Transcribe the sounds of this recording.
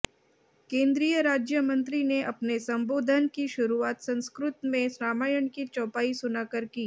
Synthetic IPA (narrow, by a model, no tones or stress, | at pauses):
kẽːnd̪ɾiːjəɾaːd͡ʒjəmɐ̃nt̪ɾineʔɐpnesɐ̃mboːd̪ʱənkiʃʊɾuaːt̪sɐ̃nskɾʊt̪mẽsɾaːmaːjəɳ̃kit͡ʃɔːpaːisʊnakəɾkiː